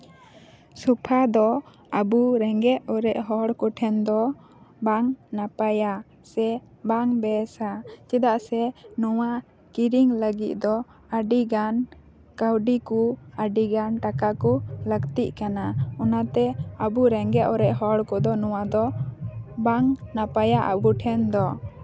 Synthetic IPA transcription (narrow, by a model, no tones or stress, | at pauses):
supʰad̪ɔ | abuɾɛŋɡɛʔɔɾɛʔɦɔɽkɔʈʰɛnd̪ɔ | baŋnapaja | sɛ | baŋbɛsat͡ʃɛd̪aʔsɛnɔwa | kiɾiŋləɡit̪̚d̪ɔ | əɖiɡan | kawɖikuəɖiɡanʈakakuləɡt̪iʔkanaɔnat̪ɛəbuɾɛŋɡɛʔɔɾɛʔɦɔɽkɔd̪ɔnɔwad̪ɔ | baŋnapajaʔa̰buʈʰɛnd̪ɔ